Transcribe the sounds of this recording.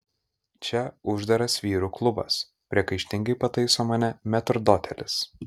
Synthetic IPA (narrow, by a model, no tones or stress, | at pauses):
t͡ʃʲɛʊʒd̪ɐɾɐsʋʲiːɾuːklˠʊbɐ̰s | pʲɾʲiɛkɐɪʃʲt̪ʲɪŋɡɐɪpɐt̪ɐɪsoːmɐnʲɛmʲɛt̪ɾd̪oːt̪ʲɛlʲɪs